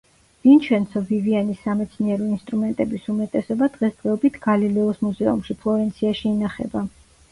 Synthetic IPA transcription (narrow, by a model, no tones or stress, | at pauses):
vint͡ʃʰwɛnt̪sʰɔvivianisːamɛt̪sʰniɛɾɔinst̪ʼɾumɛnt̪ʼɛbisumɛt̪ʼɛsɔbad̪̥ʁɛsd̪ʁɛɔbit̪ʰɡalilɛɔsmuzɛṵmʃipʰlˠɔɾɛnt̪sʰiaʃiːnaχɛ̰ba